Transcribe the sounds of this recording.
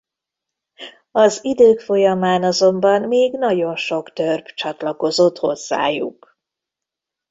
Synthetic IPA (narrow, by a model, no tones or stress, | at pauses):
ɒzid̪øːkfo̞jɒmaːnɒzo̞mbɒnmeːɡn̪ɒɟo̞nʃo̞kt̪ørb̥t͡ʃɒt̪lɒko̞zo̞t̪ho̞zːa̰ːjṵk